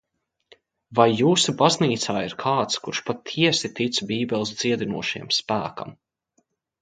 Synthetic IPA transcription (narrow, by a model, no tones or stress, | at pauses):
vajːuːsubazniːt̪saːiɾkʰaːt̪skuɾʃpat̪ʰiɛsit̪it̪sbʲiːbʲɛlˠs̬d̪z̥iɛd̪inuɔʃḭɛmspæːka̰m